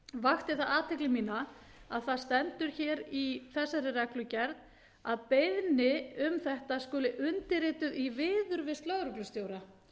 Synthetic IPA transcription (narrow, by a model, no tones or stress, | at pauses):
vaxt̪ɪθaðaːt̪ʰɛklɪmiːnaa̰ðθaðst̪ɛnt̪ʏɾ̥çɛːɾiθɛsːaɾɪrɛklʏcɛɾt̪ | aðpejðnɪʏmθɛht̪askʏːlɪʔʏnt̪ɪɾɪːt̪ʏðivɪːðʏɾvɪst̪lœɣɾʏklʏst̪joːwɾa